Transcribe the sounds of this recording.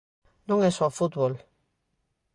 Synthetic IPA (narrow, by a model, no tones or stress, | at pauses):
nũŋesofut̪βol